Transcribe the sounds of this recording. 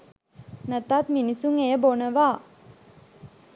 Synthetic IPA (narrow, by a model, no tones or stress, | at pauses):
nət̪at̪minisuŋejəbonəʋaː